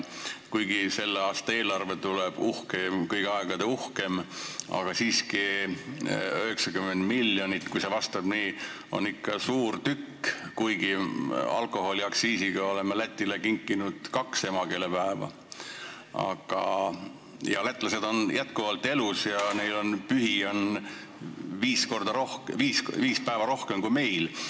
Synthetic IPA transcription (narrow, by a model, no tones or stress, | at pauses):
kujɡise̞lːeɑːst̪ɑe̞ːlɑrve̞t̪uleb̥uhkemkɤjɡ̥eɑeɡ̥ɑd̪̥e̞uhke̞mɑ̰ɡ̥ɑsiːski | øɦeksɑkymːend̪̥milːjo̞nʲit̪ːkujsevɑst̪ɑb̥niː | o̞̰nikːɑsuːrt̪ykːkujɡiɑ̰lko̞ɦo̞liɑksiːsiɡ̥ɑo̞lemelæt̪ʲːˑilekiŋkːˑinud̪̥kɑkse̞mɑke̞ːle̞pæevɑ̰ | ɑ̰ɡ̥ɑ̰ | jɑ̰let̪ːˑlɑse̞d̪o̞njæt̪kuvɑlt̪ːˑe̞lusjɑnejlo̞npyɦio̞n | viːsko̞rd̪̥ɑɾohkviːsviːspæevɑɾo̞hkemkujme̞jl